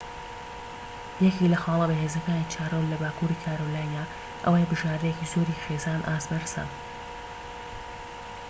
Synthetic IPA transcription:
jɛkilɐxɑːlˠɐbɐɦeːzɐkaːniːt͡ʃʰaːrowllɐbaːkuːɾiːkʰaːɾolaːjnjaː | ʔə̰wajbɨʒaːɾd̪əjeciːzoːɾiχeːzaːnʔaːsbɐɾsɐ̰n

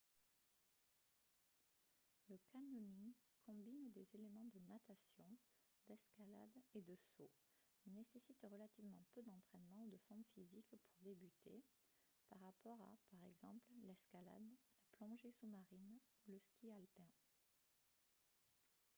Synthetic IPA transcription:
ləkanjuniŋkʰɔ̃bind̪ezelemɑ̃d̪ənat̪asjɔ̃ | d̪ɛskala̰d̪ed̪əso | nesesit̪ʁəlat̪ivmɑ̃pød̪ɑ̃t̪χɛnmɑ̃ud̪əfɔʁmfizikpʰuʁd̪ebyt̪ʰḛ | paʁapɔʁa̰paʁɛɡzɑ̰̃pllɛskala̰d̪laplɔ̃ʒesumaʁinuləskʲialpɛ̃

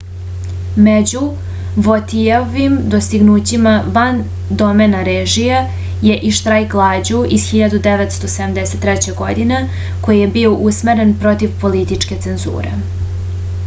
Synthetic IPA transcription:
med͡ʑu | ʋot̪ioʋimd̪ost̪iɡnuːt͡ɕimaʋan | d̪omenaɾeːʒija | je̞ʔiʃt̪ɾajklˠaːd͡ʑuiz̥xiʎad̪ud̪eʋet̪st̪osed̪amd̪eset̪ːɾɛt͡ɕeɡo̞d̪ine | ko̞jijebioʔusmeɾenpɾo̞t̪iʋpo̞lit̪it͡ʂke̞t̪se̞nzṵːɾḛ

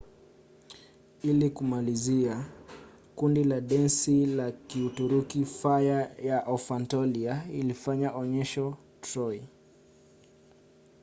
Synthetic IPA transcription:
ilikumalizia | kundilaɗɛnsilakiutuɾukifajajaʔaufantɔliailifaɲaʔɔɲɛʃɔ | tɾɔi

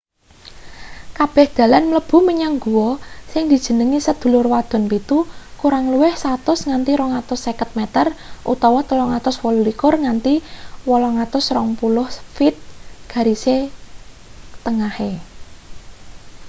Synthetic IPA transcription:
kab̥ɛ̤hd̪̥ä̤lanmləb̥ṳməɲaŋɡuwɔsɪŋd̪̥i̤d̥ʒ̥ə̤nəŋisəd̪̥ṳlʊrwad̪̥ɔ̤npit̪ukuɾaŋluwɪhsat̪ʊsŋant̪iɾɔŋat̪ʊsːekət̪̚mɛt̪ərʔṵt̪ɔwɔt̪əlɔŋat̪ʊswɔlulikʊrŋant̪iwɔlɔŋat̪ʊsrɔŋpulʊhfɪt̪̚ɡ̥a̤ɾise | t̪ːəŋahe

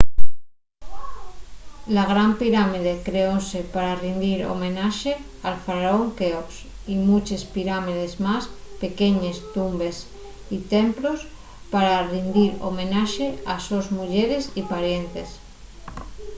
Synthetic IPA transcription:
laɣ̞ɾampiɾamið̞ekɾeosepaɾarind̪iɾo̰mẽnaʃe | alfaɾaoŋkeos | imut͡ʃespiɾamið̞ezmaspe̞keɲest̪umbe̞s | it̪emplos | paɾarind̪iɾo̰mẽnaʃeasozmuʎeɾesipaɾje̞nt̪es

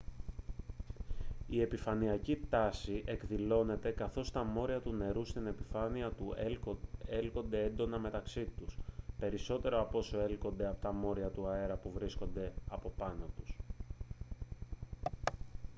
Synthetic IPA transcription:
ie̞pifɐniɐcit̪ɐsiʔe̞kðilo̞ne̞t̪e̞kɐθo̞st̪ɐmo̞ɾiɐt̪une̞ɾust̪ine̞pifɐniɐt̪u | elko̞nd̪e̞e̞nd̪o̞nɐme̞t̪ɐksit̪uspe̞ɾiso̞t̪e̞ɾo̞ɐpo̞so̞e̞lko̞nd̪e̞ɐpo̞t̪ɐmo̞ɾiɐt̪uɐe̞ɾɐpuvɾisko̞nd̪e̞ɐpo̞pɐnot̪us

